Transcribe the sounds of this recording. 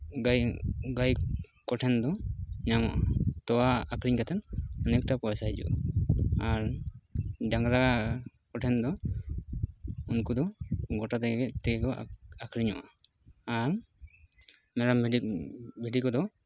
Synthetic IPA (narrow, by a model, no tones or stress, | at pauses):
ɡajɡajkɔʈʰɛnd̪ɔɲamaʔa̰t̪ɔwaːkɾiɲkat̪ʰɛnɔnɛk̚ʈapɔɛsajd͡ʒɔ̰ʔ | aɾ | daŋɡɾa | kɔʈʰɛnd̪ɔ | unkud̪ɔɡɔʈat̪ɛɡɛɡɛt̪ɛkɛkɔakɾiɲɔ̰ʔaː | ɾ | mɛɾam | biɖikɔd̪ɔ